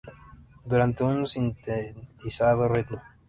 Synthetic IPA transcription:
d̪uɾant̪eunsint̪et̪isaðoret̪lo

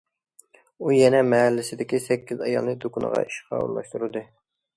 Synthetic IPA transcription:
ujɛnɛmɛɦælːɪsɪd̪ɪkʲisɛkʲːizɑjɑ̰lˠnɨd̪okunə̰ʁɑ̰iʃqʰɑ̰ṵɾlˠɑ̰ʃt̪uɾɨd̪ɨ

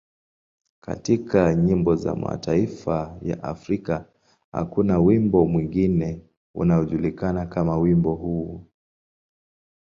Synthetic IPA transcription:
ka̰tikʰaɲimbɔza̰ma̰tʰaifaja̰ʔafɾika | ha̰kunawimbɔmwiŋɡinɛ | ṵnaɔʄulikanakamawimbɔhuː

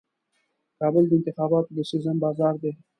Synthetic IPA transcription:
kɑbəld̪əɪnt̪ɪxɑbɑt̪od̪əsɪzəmbɑzɑɾd̪e

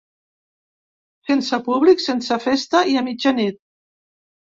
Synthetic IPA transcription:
sensəpuβliksensəfest̪əiamid͡ʒanit̪̚

